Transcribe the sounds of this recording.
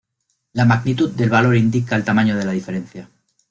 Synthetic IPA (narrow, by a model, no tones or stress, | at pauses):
lamaɣnit̪ut̪d̪e̞lβalo̞ɾind̪ikaelt̪amãɲoð̞e̞lað̞ife̞ɾẽ̞n̟θja